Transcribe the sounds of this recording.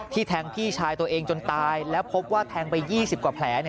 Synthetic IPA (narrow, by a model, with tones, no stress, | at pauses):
t̪ʰiː˥˩t̪ʰɛː˦˧˥ŋpʰiː˥˩t͡ɕʰaː˧jt̪u˧ɐʔeː˧ŋt͡ɕo˧nt̪aː˧jlɛː˦˥wpʰo˦˥p̚waː˥˩t̪ʰɛː˧ŋpa˧jːiː˥˩si˨˩p̚kwaː˨˩pʰlɛː˩˦ni˥˩